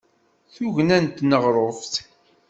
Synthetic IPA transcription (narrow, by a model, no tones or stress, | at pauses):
θuʝnænt̪nəʁɾˤofθ